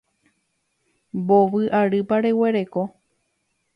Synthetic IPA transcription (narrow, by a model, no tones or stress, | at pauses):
boʋɨʔaɾɨpaɾe̞we̞ɾe̞ko̞